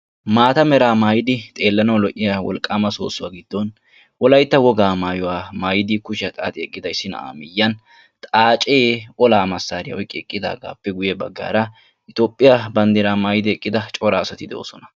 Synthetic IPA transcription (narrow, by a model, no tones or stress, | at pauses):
maːt̪ɐmɛɾaːmaːjɪd̪ɪt̪ʼe̞ːlːɐnɐwlɔʔɪjawɔ̰lkʼːaːmɐso̰ːsːʊwaːɡɪd̪ːɔn | wɔlɐjt̪ːɐwɔɡaːmaːjɔwaːmaːjɪd̪ɪkʊʃɪɐt̪ʼa̰ːt̪ʼɪɛkʼːɪd̪ɐɪsːɪnɐ̰a̰ːmɪjːɐn | t̪ʼaːt͡ʃʼeːʔɔlaːmɐsːaːɾɪjɐɔjkʼːɪɛkʼːɪd̪a̰ːɡa̰ːpːɛɡʊjebɐ̰ɡːa̰ːɾɐ | ɪt̪o̞ːpʼːɪjabɐnd̪eɾaːmaːjɪd̪ɪɛkʼːɪd̪ɐt͡ʃʼɔɾaːsɐt̪ɪd̪ɛo̰ːsɔnɐ̥